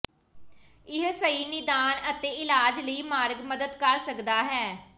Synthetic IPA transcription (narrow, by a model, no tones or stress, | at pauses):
ɪɦsəiːnɪd̪aːnət̪eːɪlaːd͡ʒləiːmaːɾɡməd̪əd̪kəɾsəkd̪aːɦɛː